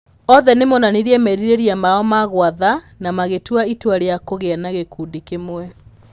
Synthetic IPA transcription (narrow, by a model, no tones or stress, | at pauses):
ɔðɛnemɔnaniɾiɛmɛɾiɾeɾiamaɔmaɣwaða | namaɣetuaitwaɾeakoɣeanaɣekuːndikemwɛ